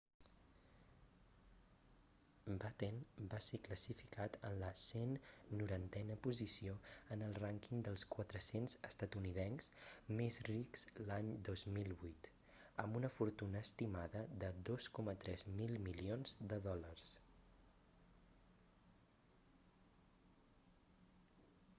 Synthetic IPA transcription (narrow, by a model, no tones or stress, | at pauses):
bat̪enbasekləsifikat̪ənləsenːuɾant̪ɛnəpuzisioənəlˠraŋkind̪əlˠskwət̪ɾəsenzəst̪ət̪uniðɛnz̥mezrikz̥laɲd̪ozmilˠβujt̪ | əmbunəfuɾt̪unəːst̪imaðəðəd̪oskɔmət̪ɾɛzmilˠmilionzd̪əðɔlərs